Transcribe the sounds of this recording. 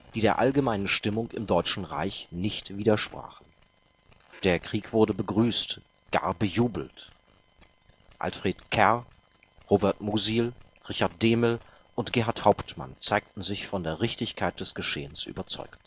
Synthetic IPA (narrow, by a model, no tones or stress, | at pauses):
d̥iːdeːɐʔa̰lɡəmaɪnənʃtɪmʊŋkɪ̰mdɔʏt͡ʃn̩ʁa̰ɪçnɪçtv̥iːdɐʃpʁ̥a̰ːχn̩ | d̥eːɐkʁ̥iːkv̥ʊɐdəbəɡʁyːst | ɡ̥a̰ːɐbəjuːbl̩t | ʔa̰lfʁ̥eːtkʰɛɐ | ʁoːbɛɐtmuziːl | ʁɪçaɐt̚d̥eːmɪl | ʔʊntɡ̥eːɦaɐthaʊptma̰nt͡saɪk̚tn̩zɪçfɔndeːɐʁɪçtɪçkʰaɪt̚d̥ɛsɡ̥əʃḛːənsʔy̰ːbɐt͡sɔ̰ʏkt